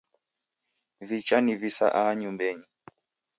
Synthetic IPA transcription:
vit͡ʃanivisa̰ʔaɲumbɛɲi

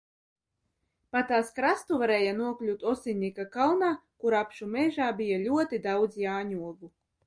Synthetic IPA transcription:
pat̪aːskɾast̪uvaɾɛːjanuɔklʲut̪ɔsinʲːikakalˠnaːkuɾapʃumɛʒaːbʲijalʲuɔt̪id̪awd̪zjaːɲuɔɡu

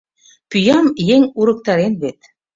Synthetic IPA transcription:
pyjɑmjeŋuɾɤ̆k̚t̪ɑɾenβet̪

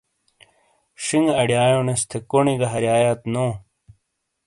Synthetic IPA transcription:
ʂiŋɐɽjaːjõnest̪ʰekoɳiɡɐɦɐɾjaːjaːt̪noː

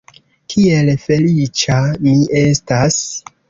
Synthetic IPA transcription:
kʰie̞lfe̞lit͡ʃamiʔe̞stas

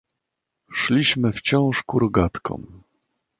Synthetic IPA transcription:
ʂlʲiɕmɘft͡ɕɔ̃w̃ʂkuɾɔɡat̪kɔ̰̃m

